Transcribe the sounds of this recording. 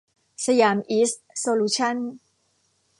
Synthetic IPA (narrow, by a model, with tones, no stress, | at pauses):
sa˧jaː˧˦mʔiː˦˥s | soː˧luː˧˥t͡ɕʰa˥˩n